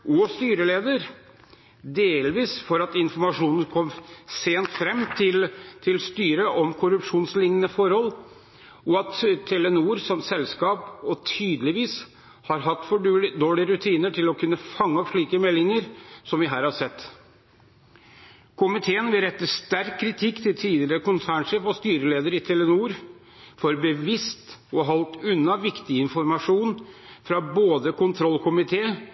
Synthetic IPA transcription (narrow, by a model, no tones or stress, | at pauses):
ʔɔst̪yːɾəleːd̪əɾ | d̪eːlʋiːsfɔɾɑt̪ɪnfɔɾmɑʂuːnən̩kʰɔmseːnt̪fɾɛmːɪlt̪ʰɪlst̪yːɾəʔɔmkʰʊɾʉpʂuːnslɪŋənəfɔɾhɔl | ʔɔɑt̪t̪ʰːɛlɛnuːɾsɔmsɛlskɑːpɔt̪ʰyːd̪lɪʋiːs | hɑɾɦɑt̪ːfɔd̪oːɭɪɾʉt̪ʰiːnəʈʰɪlɔkʰʉnːəfɑŋːəɔpʂɭiːkəmɛlːɪŋəɾsɔmʋɪɦæːɾhɑsɛt̪ː | kʰʊmɪt̪ʰeːənʋɪɾɛt̪ːəʂt̪æɾkʰːɾɪt̪ʰɪkːt̪ʰɪlt̪ʰiːd̪ɪəɾəkʊnsæːɳʂeːfɔst̪yːɾəleːd̪əɾɪt̪ʰɛlɛnuːɾ | fɔɾbəʋɪst̪ɔɦɔlt̪ʉnːɑʋɪkt̪ɪɪnfɔɾmɑʂuːnfɾɑboːd̪əkʊnt̪ʰɾɔlkʰʊmɪt̪ʰeːə